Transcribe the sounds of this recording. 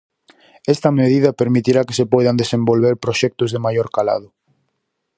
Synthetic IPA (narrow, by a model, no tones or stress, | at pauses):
ɛst̪ɐmeð̞iðɐpeɾmit̪iɾakesepɔjðand̪esembolβeɾpɾoʃɛk̚t̪ʊzðemajoɾkala̰ð̞ʊ